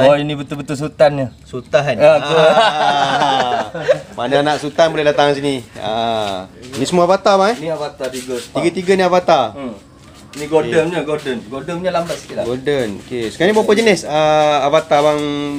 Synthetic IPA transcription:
oinĩbət̪ulbət̪uls̬ut̪anɲəsut̪aɦnao | manaanaʔsut̪anbolɛhdat̪aŋs̬inia̰ | nisəmuavat̪abaŋɛniavat̪at̪iɡat̪iɡat̪iɡaniavat̪a | niɡoənɲəɡodənɡodəmɲəlambat̪̚sə̥k̪ilaɡodəno̰kesəkaɾaɲibawpəd͡ʒənɪsəavat̪abaŋ

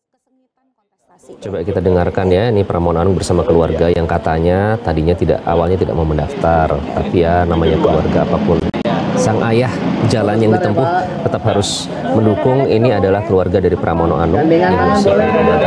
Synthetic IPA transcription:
t͡ʃobakit̪adəŋarkanjainipəɾʔamonoanʊŋbərsamakəlua̰rɡajaŋkat̪aɲat̪adiɲat̪ida̰ʔa̰walɲat̪ida̰ʔmaɦuməndaft̪art̪apijanamaɲakəluarɡaːpapʊnsaŋʔajahd͡ʒalanjaŋdit̪əmpʊh | t̪ət̪apɦaɾʊs | məndukʊŋiniadalahkəluarɡadaɾipəɾʔamonoʔanʊŋausa

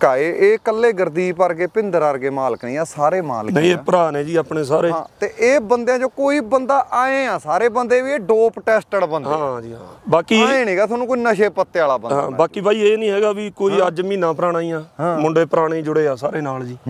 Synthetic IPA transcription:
kaːeʔeːkəlːeːɡəɾd̪iːpəɾɡeːpɪnd̪əɾəɾɡeːmaːləknĩːaːsaːɾeːma̰ːlnə̃ĩːeːpəɾaːnẽːd͡ʒiːaːpɳeːsaːɾeːãːt̪eːʔeːbənd̪eãːd͡ʒoːkoːiːbənd̪aːʔaːẽːãːsaːɾeːbənd̪eːʋiːeːɖoːpʈɛːsʈəɽbəndɦ̪ãːd͡ʒiːɦã̰baːkiːeːnĩːɡaːt̪ʰonũːkoinəʃeːpət̪ːeaːlaːbəndɦã̰ːbaːkiːbaːiːeːnĩːɦɛːɡaːbikoːiːəd͡ʒmĩːnãːpəɾaːñaːiːjãːɦːmʊ̃ɳɖeːpəɾaːɽẽːd͡ʒʊɽeːaːsaːɾeːnaːld͡ʒiː

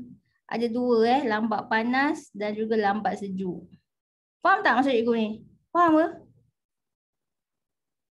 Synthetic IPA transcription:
ʔa̰daduəɛhlambaʔpanasdand͡ʒuɡalambaʔ̚səd͡ʒuʔ | paamt̪aʔmasuɾiʔɡuni | paamə

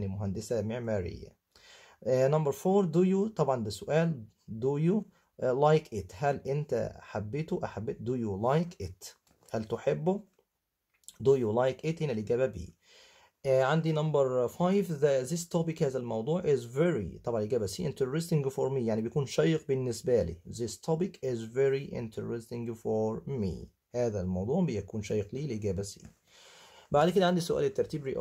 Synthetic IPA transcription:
nimʊɦænd̪esæmeʕmæːɾḛjːæ̰ | nɑmbɑɾˤfoːɾd̪ujut̪ˤɑbʕɑnd̪æsʊʔæːl | d̪uju | lajkʔɪt̪hælʔɪnt̪æ̰ħabːet̪oʔaħabːed̪ujulajkʔɪt̪ | hælt̪oħebːo | d̪ujulajkʔɪt̪henæleɡæːbæbḭː | ʔʕand̪inɑmbɑɾˤfajvðæðɪst̪ɑpɪkhæːðælmɑwd̪ˤuːʕʔɪzvɛɾḭt̪ˤɑbʕɑneɡæːbæsiːʔent̪ɾɾɪst̪ɪŋɡfɔɾmiːjaʕnibejækuːnʃæːjɪq̚bɪnːɪsbælḭːðɪst̪ʰopɪkɪzveɾiʔɪ̰nt̪ʰɾɪst̪ɪ̃ŋɡfɔɾmḭː | hæːðælmɑwd̪ˤuːʕbɪjækuːnʃæːjeqliːleɡæːbæsḭː | baʕd̪kedæʕand̪isʊʔæ̰ːlet̪ːɑɾˤt̪iːbɾḭʔ

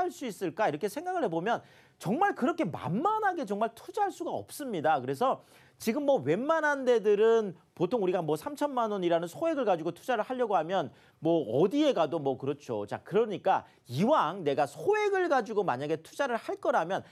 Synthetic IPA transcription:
aɭs͈uis͈ɯɭk͈aiɾʌkʰe̞sʰe̞ŋɡaɡɯɭɾɦe̞bomjʌn | t͡ɕʌŋmaɭkɯɾʌkʰe̞ma̰nmanɦaɡe̞t͡ɕʌŋmaɭtʰud͡ʑaɦaɭs͈uɡaʌ̰p̚s͈ɯmɲidakɯɾe̞s̬ʰʌ | t͡ɕiɡɯmːʌwe̞nmanande̞dɯɾɯn | potʰoŋuɾiɡamwʌsʰamt͡ɕʰʌnmanwʌɲiɾanɯnsʰoe̞ɡɯɭɡad͡ʑuɡotʰu̥d͡ʑaɾɯɭhaʎːʌɡoɦamjʌn | mwʌʌdie̞ɡadomwʌkɯɾʌt͡ɕʰot͡ɕa̰kɯɾʌɲik͈a | iwaŋne̞ɡasʰoe̞ɡɯɭɡad͡ʑuɡoma̰ɲaɡe̞tʰu̥d͡ʑaɾɯɭhaɭk͈ʌɾamjʌn

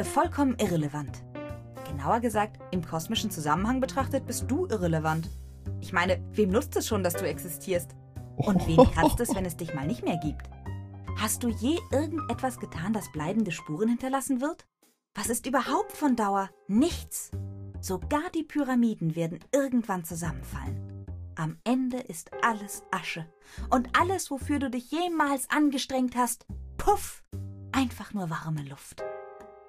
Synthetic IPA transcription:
əfɔlkʰɔmənʔɪʁeləvant | ɡ̥ənaʊɐɡəzaːk̚tʔɪmkʰɔsmɪʃn̩t͡suzamənhaŋbətʁ̥aχtət̚b̥ɪst̚d̥uːʔɪʁeləvant | ʔɪçmaɪnəveːmnʊt͡stɛsʃoːndasd̥uːɛksɪstʰiːɐst | ʔʊntv̥eːmkʁ̥at͡stɛsv̥ɛnɛsd̥ɪçmaːlnɪçtmeːɐɡiːpthast̚d̥uːjeːʔɪɐɡŋ̩tʔɛtv̥asɡ̥ətʰaːndasb̥laɪbm̩dəʃpuːʁ̞ənhɪntɐlasn̩vɪɐt | v̥asɪstʔyːbɐhaʊptfɔndaʊɐ | nɪçt͡sz̥oɡaːɐdiːpʰyʁamiːdn̩veːɐdn̩ɪʁɡŋ̩tv̥ant͡suzamənfa̰lənʔamʔɛndəʔɪstʔaləsʔaʃə | ʔʊntʔaləsv̥ofyːɐduːdɪçjeːmaːlsʔanɡəʃtʁ̥ɛŋkthastpʰʊfʔaɪnfaχnuːɐvaʁməlʊft

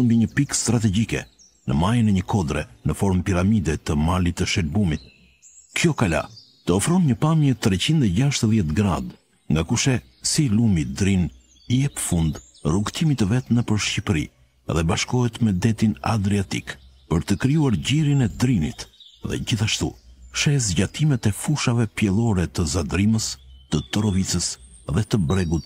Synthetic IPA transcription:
mbiɲəpikst̪ɾat̪ɛɟikɛ̰ | nə̰majənɛɲəkʰɔd̪ɾɛnəfɔɾmpiɾamid̪ɛt̪əmalit̪ːəʃɛlbumit̪̚ | kjɔkala̰ | t̪əɔfɾɔnɲəpamjət̪ɾɛt͡ɕind̪ɛɟaʃt̪əðjɛt̪ɡɾa̰d̪ | ŋɡakuʃɛ | silumid̪ɾin | jɛpəfund̪ | ruɡt̪ʰimit̪əvɛt̪nəpəɾʃcipɾḭ | ðɛbaʃkɔɦɛt̪mɛd̪ɛt̪ina̰d̪ɾiat̪ikpəɾt̪əkɾijuaɾɟiɾinɛd̪ɾinḭt̪ðɛ̰ɟiθaʃt̪ṵʃɛzɟat̪imɛt̪ɛfuʃavɛpjɛlˠɔɾɛt̪əzad̪ɾiməst̪ət̪ɔɾɔvit͡səs | ðɛt̪əbɾɛɡut̪̚

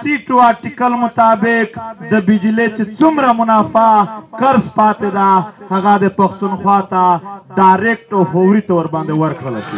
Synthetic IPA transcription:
siʈoaɾʈikalmʊt̪ɑbɪkd̪əbɪd͡ʒlet͡ʃet͡sumɾamʊnɑfakaɾspɑt̪ed̪ahaɣad̪əpaxt̪unxwɑt̪aɖajɾek̚ʈawfawɾit̪aɾbɑnd̪ewaɾkɽəlaʃi

